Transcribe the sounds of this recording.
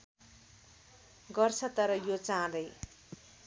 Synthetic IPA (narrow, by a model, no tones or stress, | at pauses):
ɡʌrt͡sʰʌt̪ʌɾʌjot͡sãd̪ʌj